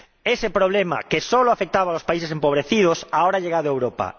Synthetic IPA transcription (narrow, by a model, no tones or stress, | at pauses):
esepɾoβlema̰kesoloafek̚t̪aβalospaisesempoβ̞ɾeθið̞osaoɾaʎeɣaðoewɾopa̰